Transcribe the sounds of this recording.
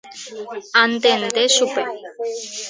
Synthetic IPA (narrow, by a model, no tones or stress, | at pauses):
ant̪end̪esupe